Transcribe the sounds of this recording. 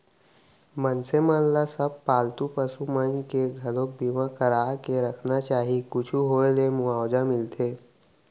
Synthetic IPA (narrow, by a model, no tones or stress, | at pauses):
mənsemaːnlasəb̚paːlt̪upəsumənd͡ʒkeɡʱɐlõk̚bimãkəɾaːkeɾɐkʰnat͡ʃaːɦikʊt͡ʃʰuɦoːelemʊaːwd͡ʒamɪlt̪ʰeː